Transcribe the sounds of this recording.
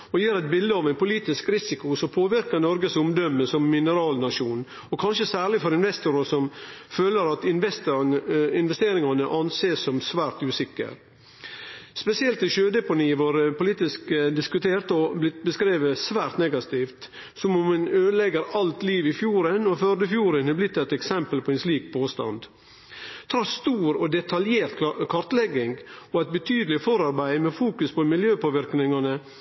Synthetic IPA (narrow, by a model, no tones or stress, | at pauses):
ɔjiːɾɛt̪̚bɪld̪əɑʋæɪnpʊliːt̪ɪskɾɪsɪkʊsɔmpʰoːʋɪɾkənɔɾɡəsʊmd̪œmːəsɔmːɪnəɾɑːlnɑʂuːn | ɔkʰɑnʃəsæːɾɭɪfɔɾɪnʋɛst̪ʊɾəsɔmføːləɾɑt̪ɪnʋɛst̪ɪnʋɛst̪eːɾɪŋɑnəʔɑnseːssɔmsʋæːɾt̪ʉːsɪkːə̰ɾ | spɛsɪɛlt̪ɪʃøːd̪ɛpʊniːʋoːɾpʊliːt̪ɪskd̪ɪskʉt̪ʰeːɾt̪ɔblɪt̪bəskɾeːʋəsʋæːɾt̪nɛɡɑt̪iːft̪ | sɔmʊmːɛnøːd̪lɛɡəɾɑlt̪liːʋɪfjuːɾənɔføɾd̪əfjuːɾənhɛblɪt̪ːɛt̪ɛksɛmpəlpʰɔɛnsliːk̚pʰoːst̪ɑ̰nd̪ | t̪ʰɾɑst̪uːɾɔd̪ɛt̪ʰɑljeːɾt̪kʰɑɾt̪lɛɡːɪŋɡɔɛt̪̚bət̪ʰyːd̪l̩ɪfɔɾɑɾbæɪmɛfuːkʉspʰɔmɪljøːpoːʋɪɾknɪŋɑnə